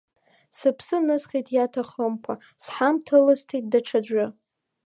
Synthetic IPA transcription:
sɨpʰsɨnɨsχʲitʰjatʰaχəmkʷʰa | sħamtʰɨlɨstʰit̚daʈ͡ʂʰad͡ʒʷʊ

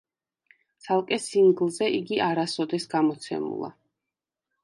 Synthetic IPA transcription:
t̪sʰalˠkʼɛsiŋɡlˠzɛʔiɡiʔaɾasɔd̪ɛsɡamɔt̪sʰɛ̰mṵlˠa̰

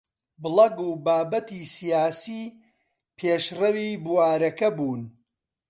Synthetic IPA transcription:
bɨlˠɐɡuːbaːbɐt̪isijaːsiː | pʰeːʃrɐwiːbuwaːɾɐkɐbuːn

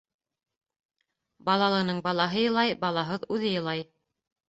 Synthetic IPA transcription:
bɑlˠɑlˠɤ̆nɤɴbɑlˠɑɦɤjɤ̆lˠɑjbɑlˠɑɦɤðʉðɘjɤ̆lˠɑj

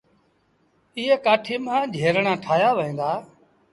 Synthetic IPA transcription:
ɪɦeːkaːʈʰiːmãːd͡ʒʱeːɾɳãːʈʰaːjaːʋəĩːnd̪aː

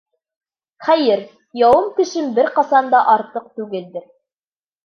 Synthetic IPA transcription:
χæjɘɾ | jɑwɤmkɘ̆ʃɘmbɘɾqɑsɑnd̪ɑʔɑɾt̪ɤq̚t̪ʉɡɘld̪ɘɾ

